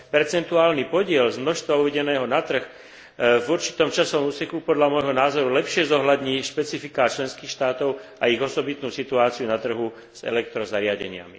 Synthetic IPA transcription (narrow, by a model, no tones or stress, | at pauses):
pɛɾt͡sɛnt̪uaːlnipɔɟɪɛlzmnɔʃst̪ʋauʋɛɟɛnɛːɦɔnat̪r̩x | vuɾt͡ʃi̥t̪ɔmt͡ʃasɔʋɔmuːsɛkupɔd̪lamɔjɦɔnaːzɔɾulɛpʃɪɛzɔɦlad̪ɲiːʃpɛt͡sifikat͡ʃlɛnskiːxʃt̪aːt̪ɔʊʔaiɣɔsɔbit̪nuːsit̪uaːt͡siunat̪r̩ɦu | z̥ɛ̰lɛk̚t̪ɾɔzaɾɪaɟɛ̰ɲɪa̰mḭ